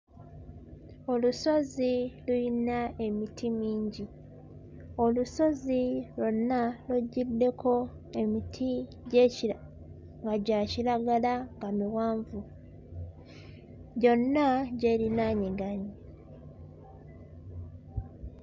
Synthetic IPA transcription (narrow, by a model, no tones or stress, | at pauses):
o̞luso̞ziluinae̞mitʰimiːɲɟi | o̞luso̞zilo̞nːaluɟːidːe̞kʰo̞ | e̞mitʰi | ɟe̞ːc | ŋɡaɟaːciɾaɡalaŋɡamiwaːɱvu | ɟo̞nːaɟe̞ːɾinaːɲeɡani